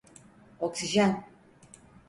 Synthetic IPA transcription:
ɔksiʒan

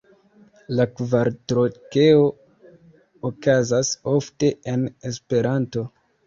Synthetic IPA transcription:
lakvaɾtɾokeo̞ | kazaso̞fte̞ene̞spe̞ɾanto̞

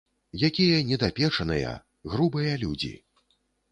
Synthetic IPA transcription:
jakʲijɐnʲɛd̪apʲɛt͡ʂɐnɨjɐ̰ | ɣɾubɨjɐlʲud͡zʲḭ

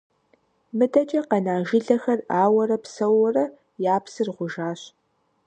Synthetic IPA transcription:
mɨdɐt͡ʃʼɐqɐnaːʒɪɮɐxɐraːwɐrɐpsɐwɔrɐ | jaːpsɨrʁʷʊʒaːɕ

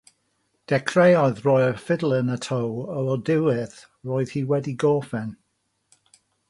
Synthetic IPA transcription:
d̥ɛkʰrejɔɨðroːɨfɪdlˠənətʰowəɔdɪwɪθ | roːɨð̥hiwɛdiɡoːfɛn

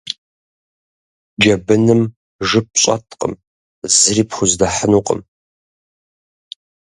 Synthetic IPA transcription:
d͡ʒɐbɨnɨm | ʐɨp̚ɕʼɐ̰tʰqʼə̰m | zɨɾiːpxʷʊzdɐħənuːqʼə̰m

